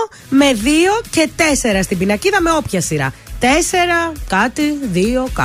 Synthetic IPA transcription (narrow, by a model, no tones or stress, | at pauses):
me̞ðio̞ce̞t̪e̞se̞ɾɐst̪ibinɐciðɐme̞o̞pçɐsiɾɐ̰t̪e̞se̞ɾɐkɐt̪iðio̞kɐ